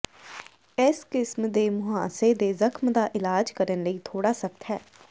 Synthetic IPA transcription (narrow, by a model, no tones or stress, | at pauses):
ɪskɪsmd̪eːmʊɦa̰ːseːd̪eːzəkʰmd̪aːʔɪlaːd͡ʒkəɾənləiːt̪ʰoːɽaːsəkt̪ʰɦɛ̰ː